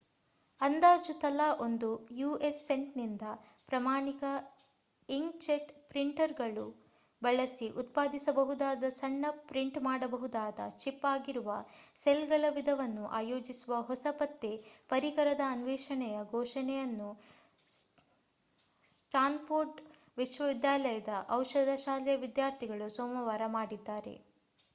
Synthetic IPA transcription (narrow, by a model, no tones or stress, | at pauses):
ɐnd̪aːd͡ʒut̪ɐlaːʔo̞nd̪ujuːʔesːe̞ɳʈnind̪ɐ | pɾɐmaːɳikɐ | iŋɡt͡ʃeʈpɾiɳʈɐɾɡɐɭu | bɐɭɐsiʔut̪paːd̪isɐbɐɦud̪aːd̪ɐsɐɳːɐpɾiɳʈmaːɽɐbɐɦud̪aːd̪ɐ̰t͡ʃipːaːɡiɾuʋɐselɡɐɭɐʋid̪ʱɐʋɐnːuʔa̰ːjoːd͡ʒisuʋɐɦɔsɐpɐt̪ːepɐɾikɐɾɐd̪ɐːnʋɛːʃɐɳɛjɐɡʱɔːʃɐɳɛjɐnːu | sʈaːnpʰoɾɖ | ʋiʃʋɐʋid̪jaːlɐjɐd̪ɐʔɐwʃɐd̪ʱɐʃaːlɛjɐʋid̪jaːɾt̪ʰiɡɐɭusoːmɐʋaːɾɐmaːɽid̪ːaːɾe̞̰